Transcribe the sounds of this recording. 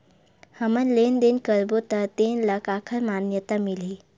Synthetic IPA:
həmənlend̪enkəɾbot̪əɾt̪enlakakʰəɾmanjət̪amili

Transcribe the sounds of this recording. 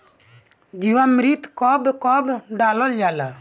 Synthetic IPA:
d͡ʒiwamɾit̪kɔbkɔbɖaːlɔld͡ʒaːla

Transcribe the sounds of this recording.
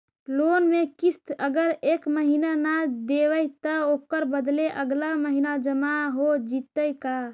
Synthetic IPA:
lonmekist̪əɡəɾekməɦinanad̪eʋəjt̪əokəɾbəd̪leʔəɡlaməɦinad͡ʒəmaɦod͡ʒit̪əjka

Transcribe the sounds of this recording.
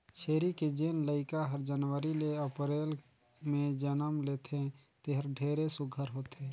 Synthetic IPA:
t͡ʃʰeːɾiked͡ʒeːnləɪkaɦəɾd͡ʒənʋəɾileəpɾeːl | mẽd͡ʒənəmleːt̪ʰẽt̪eɦəɾɖʱeːɾesʊɡʱəɾɦoːt̪eː

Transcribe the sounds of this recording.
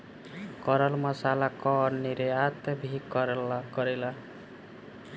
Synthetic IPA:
kʌɾʌlmʌsalakɔːnːiɾeat̪ʌbʱikɾlkʌɾila

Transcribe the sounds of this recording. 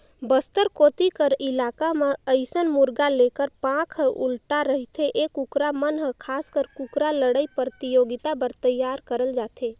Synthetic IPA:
bəst̪əɾkot̪ikəɾilakameəɪsənmuɾɡalekəɾpãkʰəʔulʈaɾəɦit̪ʰeʔekukɾamənɦə̃kʰaskəɾkukɾaləɽəjpəɾt̪ijoɡit̪abəɾt̪əjːaɾkəɾəld͡ʒat̪ʰe

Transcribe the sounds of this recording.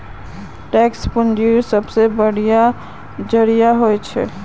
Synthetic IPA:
ʈɛːkspʊnd͡ʒiɾsəbsebəɽ̤ija | d͡ʒəɽijaɦoet͡ʃʰɛ̰

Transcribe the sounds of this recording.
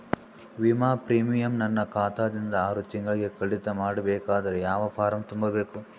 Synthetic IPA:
ʋimaːpɾiːmijɐmnɐnːɐkaːt̪ʰaːd̪ind̪ɐaːɾut̪iŋɡɐɭɡe̞kɐɽit̪ɐmaːɽɐbɛːkaːd̪ɐɾejaːʋɐpʰaːɾɐmt̪umbɐbeːku

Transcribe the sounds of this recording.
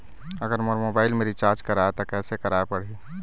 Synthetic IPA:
əɡəɾmoɾmobaːɪlmeɾit͡ʃaːɾd͡ʒkəɾaet̪okɛːsekəɾaepəɽ̤i

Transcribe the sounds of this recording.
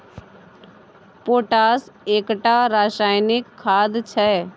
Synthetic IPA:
poːʈaːseːkʈaɾaːʃaːjnɪkʰːaːd̪t͡ʃʰɛ

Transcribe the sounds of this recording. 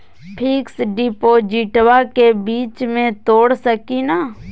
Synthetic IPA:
pʰiːksɖɪpod͡ʒɪʈwakebiːt͡ʃmẽt̪oːɽsəkina

